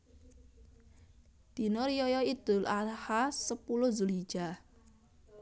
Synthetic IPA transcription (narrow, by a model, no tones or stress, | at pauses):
d̪̥i̤nɔɾijɔjɔid̪̥ʊ̤lʔahasəpulʊzuli̥d͡ʒ̥a